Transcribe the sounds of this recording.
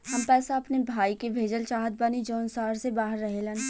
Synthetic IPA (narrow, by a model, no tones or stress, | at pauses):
ɦɐmpɛːsaɐpnebʱaːikebʱeːd͡ʒəlt͡ʃaːɦət̪̚banid͡ʒɔːnsaːɾsebaːɦəɾːɐɦelə̃n